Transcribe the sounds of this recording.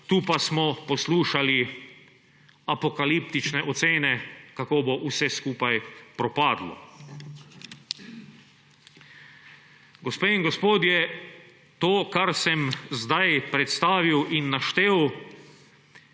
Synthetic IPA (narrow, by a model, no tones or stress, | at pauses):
t̪uːpasmɔpɔsluːʃali | apokalipt̪it͡ʃnɛʔɔt̪seːnɛkakoːboʔusɛskuːpajpɾɔpaːd̪lɔ̰ | ɡospeːinɡospoːd̪jɛ | t̪oːkaɾsɛmzd̪ajpɾɛt̪st̪aːʋiwʔinːaʃt̪eːw